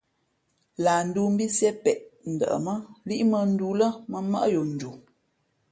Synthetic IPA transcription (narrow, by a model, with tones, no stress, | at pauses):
la˨n̩˨˦du˦m̩˦bi˦sjɛ˦pɛ˨ʔn̩˨də̰˨ʔə̰˨mə˦li˦ʔmə˦n̩˦du˦lə˦mə˨mə̰˦ʔjo˨n̩˨d͡ʒu˨